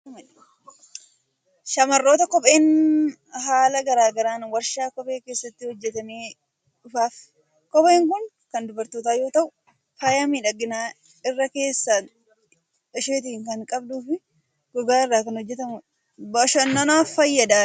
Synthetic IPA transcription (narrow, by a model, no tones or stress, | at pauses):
mɐ | ʃɐmɐrːo̞ːt̪ɐkɔpʼe̞ːn | haːlɐɡɐɾaːɡɐɾaːnwɐɾʃaːkɔpʼe̞ːke̞ːsːɐt̪ːɪhɔd͡ʒːɛt̪ɐmeː | ᶑʊfaːf | kɔpe̞ːŋkʊŋ | kɐnd̪ʊbɐɾt̪oːt̪aːjo̞ːt̪ɐʔʊ | faːjamiːᶑɐɡɪnaː | ɪrːɐke̞ːsːaː | ɐʃeːt̪̬iŋkɐŋkʼɐbd̪uːfɪ | ɡ̥ɔɡaːɪrːaːkɐnhɔd͡ʒːɛt̪ɐmʊ | bɐʃɐnːɐnaːfɐjːɐd̪aː